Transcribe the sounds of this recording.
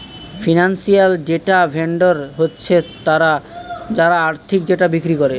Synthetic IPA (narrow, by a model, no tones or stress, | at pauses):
finansialɖeʈabʱeɳɖoɾɦotːɕʰet̪aɾad͡ʑaɾaaɾt̪ʰik̚ɖeʈabikɾikoɾe